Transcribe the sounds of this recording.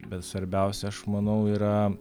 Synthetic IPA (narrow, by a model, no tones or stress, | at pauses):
bʲɛt̪sʋɐɾʲbʲɛˑʊsʲɛɐʃmɐnɐʊiːɾɐ